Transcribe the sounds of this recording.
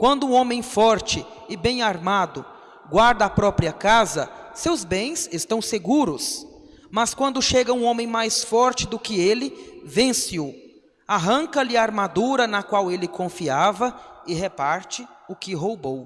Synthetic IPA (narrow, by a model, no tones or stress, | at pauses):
kwɐ̃nd̪ʊũõmẽj̃fɔɾt͡ʃɪ | ɪbẽj̃aɾmad̪ʊ | ɡwaɾd̪ɐːpɾɔpɾiɐkazɐ̰sewzbẽj̃sest̪ɐ̃w̃seɡuɾʊs | mɐskwɐ̃nd̪ʊʃeɡɐũõmẽj̃majsfɔɾt͡ʃɪd̪ʊkɪelɪvẽsiʊ | aɦɐ̃ŋkɐlɪaaɾmad̪uɾɐnɐkwawelɪkõfiavɐɪɦepaɾt͡ʃɪʊkɪɦowbow